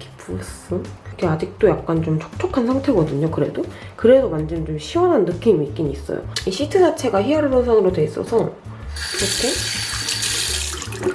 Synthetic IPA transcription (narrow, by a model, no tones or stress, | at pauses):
kʰi̥p͈ʰus͈ɯkʰead͡ʑik̚t͈ojak̚k͈ant͡ɕomt͡ɕʰo̥k̚t͡ɕʰokʰansʰaŋtʰe̞ɡʌdɯɲokɯɾe̞dokɯɾe̞dokand͡ʑʌnt͡ɕomɕʰiwʌnɦanːɯkʰinmik͈iɲiis͈ʌ̰jo̰iɕʰitʰɯd͡ʑat͡ɕʰe̞ɡaçiʌɾɯɾonsʰaŋɯɾodwe̞is͈ʌ̰sʰʌ | ɾokʰe